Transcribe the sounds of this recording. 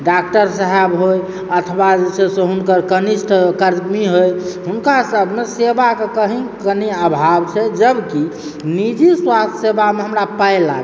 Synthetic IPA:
ɖak̚ʈəɾsəɦɛbɦoj | ət̪ʰwad͡ʒesesẽɦunkəɾkəniʃʈʰkəɾmiɦojɦunkasəbʱmesebakekəɦĩkəniəbʱabt͡ʃʰɛd͡ʒəbki | nid͡ʒiswast̪ʰəsebameɦəmɾapəjla̰ɡ

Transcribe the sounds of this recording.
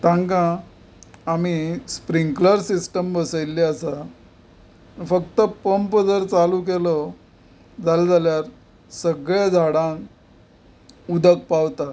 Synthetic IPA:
t̪ãŋkãː | mispɾiŋɡkləɾsisʈəmbəsəjlːiəsa | fəkt̪əpəmpd͡zəɾt͡saluːk̬elɔ | d͡zald͡zʱaljaɾ | səɡɭjad͡zʱaɽãk | ud̪ʱək̚pawt̪a

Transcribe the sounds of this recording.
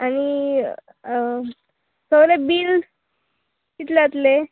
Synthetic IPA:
añi | səʋlebiːl | kit̪leat̪le

